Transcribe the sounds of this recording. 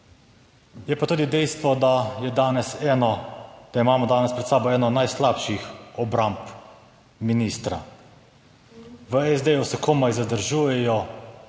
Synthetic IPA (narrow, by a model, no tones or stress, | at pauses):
jɛpat̪uːd̪id̪ɛjst̪ʋɔd̪ajɛd̪aːnɛsɛnɔd̪̥aimaːmɔd̪aːnɛspɾɛt̪saːbɔɛːnɔnajslapʃixɔbɾamp | minist̪ɾa̰ | ʋəɛzd̪ejusɛkʰomajzad̪əɾʒuːjɛjɔ